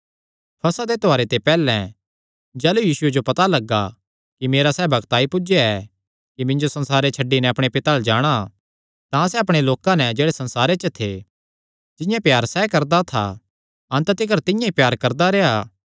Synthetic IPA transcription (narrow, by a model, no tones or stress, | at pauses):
pʰɐsad̪et̪oaːɾet̪epɛːlɛ̃ | d͡ʒɛːlujiːsʊed͡ʒopɐt̪alɐɡːa | kimeːɾasɛːbʱɐɡt̪aːipʊd͡ʒeɛ | kimɪ̃nd͡ʒosɐ̃nsaːɾet͡ʃʰɐɖːinɛɐpɽ̃epɪt̪aːld͡ʒaːɽ̃a | t̪ãsɛɐpɽ̃eloːkãnɛd͡ʒeːɽesɐ̃nsaːɾet͡ʃət̪ʰe | d͡ʒɪ̃jãpjaːɾsɛkɐɾd̪at̪ʰa̰ | ɐ̃nt̪ət̪ɪk̬əɾt̪ɪ̃jãipjaːɾkɐɾd̪aɾɛaː